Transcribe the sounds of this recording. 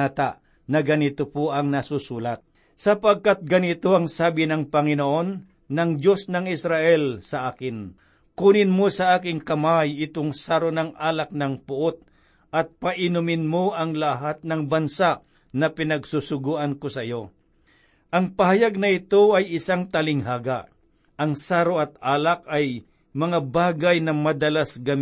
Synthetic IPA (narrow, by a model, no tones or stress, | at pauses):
at̪aʔ | nɐɡɐnɪt̪opoʔɐŋnɐsusuːlat̪̚ | sɐpaɡ̚kat̪̚ɡɐnɪt̪oʔɐŋsaːbɪnɐŋpɐŋɪnoʔo̞nː | ɐŋd͡ʒo̞snɐŋɪsɾaʔɛlsɐʔaːkɪn | kuːnɪnmosɐʔaːkɪŋkɐmajɪt̪oŋsaɾonaŋʔaːlak̚nɐŋpʊʔot̪̚ | ʔɐt̪̚pɐʔɪnʊmɪnmoʔɐŋlaɦat̪̚nɐŋbɐnsa | nɐpɪnɐɡsusʊɡuːʔɐnkosɐɪjo̞ | ʔɐŋpɐɦɐjaɡ̚nɐɪt̪oɐjɪsaŋt̪ɐlɪŋɦaːɡaʔ | ʔɐŋsaːɾoɐt̪̚aːlakɐj | mɐŋabaːɡajnɐmɐd̪ɐlasɡɐm